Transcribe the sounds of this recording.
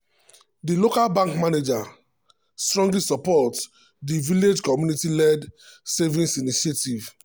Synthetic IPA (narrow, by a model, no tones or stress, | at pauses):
dilokalbãŋkmaned͡ʒa | stɹɔ̃ŋɡlisɔpɔt | diviled͡ʒkɔmjunitilɛdsevĩnsiniʃetiv